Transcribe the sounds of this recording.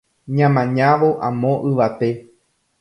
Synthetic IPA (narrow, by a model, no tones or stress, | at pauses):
ɲãmãɲãʋo̞ʔãmõ̞ʔɨʋat̪e̞